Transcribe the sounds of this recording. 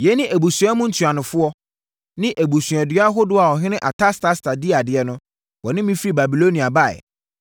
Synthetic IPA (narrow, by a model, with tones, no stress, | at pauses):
jɛ˨˦nɪ̃˦ʔæ˨bu˨sɥa˦mʊ̃˦n̩˦tʰa˨nʊ̃˨fʊ˦ɔ˦ | nɪ̃˦ʔæ˨bu˨sɥ̃ɛ˨dɥa˦ɦʊ˦dʊ˦a˨ɔ˨ɦɪ̃˦nɪ̃˦ʔa˨tʰa˦stʰa˦stʰa˨di˦a˨dɪ˨ɛ˨nʊ̃˦ | wɔ˨nɪ̃˦mĩ˦fɾi˦ba˨bi˨lo˦nĩ˨a˨ba˦˨ɛ̰˨